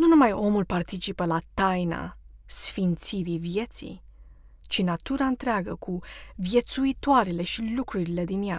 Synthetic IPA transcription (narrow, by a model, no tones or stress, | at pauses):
nunumajo̞mulpart̪it͡ʃipəlat̪ajna̰ | sfint̪siɾivije̞t̪sḭj | t͡ʃinat̪uɾaɨnt̪ɾeaɡəkʰuvje̞t̪suit̪oaɾele̞ʃilukɾuɾile̞d̪inja